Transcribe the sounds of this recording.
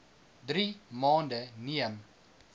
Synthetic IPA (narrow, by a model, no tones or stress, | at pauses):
d̪ɾimɑːndəniəm